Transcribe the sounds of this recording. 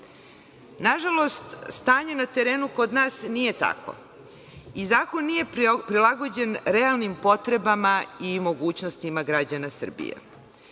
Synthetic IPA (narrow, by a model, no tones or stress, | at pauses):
naʒalo̞st̪st̪aːɲe̞nat̪e̞ɾe̞ːnuko̞d̪naːsnije̞t̪a̰kʰo̞̰ | izaːko̞nːije̞pɾilˠaɡo̞d͡ʑe̞nɾealnimpo̞t̪ɾe̞bamaimo̞ɡuːt͡ɕnost̪imaɡɾad͡ʑanasr̩bḭjḛ